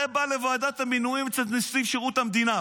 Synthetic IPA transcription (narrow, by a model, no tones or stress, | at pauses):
ebalevoad̪at̪haminuimt͡selt̪nisiʃeʁut̪hamd̪ina